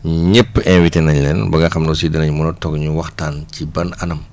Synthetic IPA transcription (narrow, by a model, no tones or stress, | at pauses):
ɲəpːɛnwitenɐɲlɛnbɐɡɐxɐmnɔsidənɐɲmɔnɔtɔɡɲuwɐxtaːncibɐnɐnɐm